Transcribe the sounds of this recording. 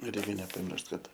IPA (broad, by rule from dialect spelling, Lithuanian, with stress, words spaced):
ˈrʲɛɪkʲɛ nʲɛpɐˈmʲɪrʃt ˈkɐt